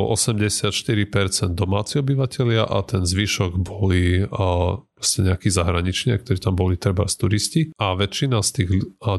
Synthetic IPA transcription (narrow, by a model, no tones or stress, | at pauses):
lɔ̰ʔɔsɛmɟɛsɪat̪ʃt̪iɾipɛɾt͡sɛnd̪ɔmaːt͡siɔbiʋacɛlɪaʔa̰t̪ɛnzʋiʃɔɡbɔli | pɾɔscɛɲɛakizaɦɾaɲit͡ʃɲia̰k̚t̪ɔɾiːt̪ambɔlit̪ɾɛba̰st̪uɾisciaʋɛt͡ʃːinast̪iːɣ